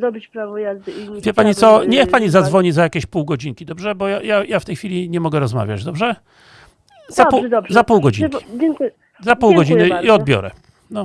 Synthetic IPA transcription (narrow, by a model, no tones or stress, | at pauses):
d̪ɔbit͡ɕpɾavɔjazd̪ɨivʲjɛpaɲit̪sɔɲɛxpaɲizad̪zvɔɲizajakʲeɕpuwɡɔd͡ʑiŋkʲid̪ɔbʐɛbɔjajajaft̪ɛjxfʲilʲiɲɛmɔɡɛɾɔzma̰vʲja̰d͡ʑd̪ɔbʐɛ | zapud̪zapuwɡɔd͡ʑḭki̥ɛŋk | zappuwɡɔd͡ʑinɨiɔd̪̚bʲjɔ̰ɾɛ̰ | nɔ